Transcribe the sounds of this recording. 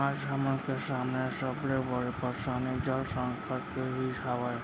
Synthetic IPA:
aamənkesamnesəbleʋəɾepəɾsaned͡ʒəlsə̃ŋkəʈkeɦiʈʰaʋa

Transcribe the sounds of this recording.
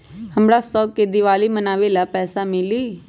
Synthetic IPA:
həmɽaːsɔːkeːd̪iʋaːliːmənaːʋeːlaːpɛːsaːmɪliː

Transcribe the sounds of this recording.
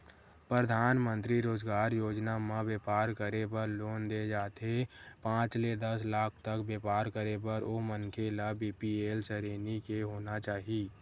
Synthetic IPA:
pɾəd̪ʱaːnmə̃nt̪ɾiɾoːd͡ʒɡaːɾjoːd͡ʒnamãʋjeːpaːɾkəɾebəɾloːnd̪ed͡ʒaːt̪epãːt͡ʃled̪əslaːk̚ʰt̪əkbeːpaːɾkəɾebəɾoːmənkʰelabiːpieːlsəɾeːnikeɦoːnat͡ʃaːɦiiː

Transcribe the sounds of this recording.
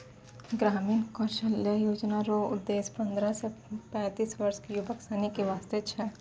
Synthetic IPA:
ɡɾaːmiːnkɔːɾʃəljajoːd͡ʒnaɾoʊ̰d̪ːeːspɐ̃nd̪ɾasepɛ̃ːt̪iːsʋɐɾskijʊbʱəksanikeʋaːst̪et͡ʃʰɛ

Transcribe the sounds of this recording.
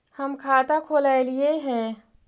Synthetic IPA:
həmkʰaːt̪akʰoːlaːelieɦɛː

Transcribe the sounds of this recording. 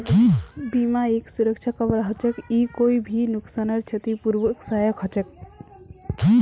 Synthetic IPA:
bimaeksuɾək̚t͡ʃʰakɔbɾaɦɔt͡ʃekikoibʱinuksanəɾt͡ʃʰət̪ipuɾʋəksajəkɦɔt͡ʃek

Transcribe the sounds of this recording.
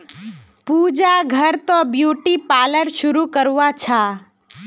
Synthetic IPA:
puːd͡ʒaɡʱəɾt̪objuːʈipaːləɽʃʊɾukəɾʋat͡ʃʰaː

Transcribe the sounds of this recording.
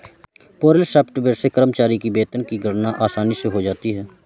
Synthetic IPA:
poːɾəlsɛːpʈbəɾsekəɾəmt͡ʃaːɾikibeːt̪ənkiɡʱəɽnaʔaːsaːniseɦod͡ʒaːt̪iɦɛː

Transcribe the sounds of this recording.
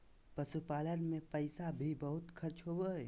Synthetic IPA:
pəsupaːlənmẽpəɪsabʱibɐɦʊt̪kʰɐɾt͡ʃɦowəe

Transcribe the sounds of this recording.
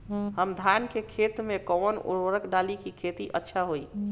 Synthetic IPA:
ɦəmd̪ʱankekʰet̪mekɔnṵɾoɾəkɖalikikʰet̪iʔətːʃʰaɦoi

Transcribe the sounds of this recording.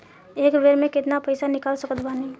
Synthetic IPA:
ekbeɾmeket̪napəɪsanikalsəkət̪banə

